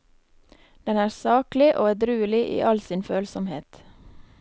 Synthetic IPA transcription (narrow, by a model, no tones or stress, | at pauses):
d̪̥ɛnæːɾsɑːklɪʔo̰ːæːɖɾʉːəlɪʔḭːʔɑlsiːnføːlsɔmheːt̪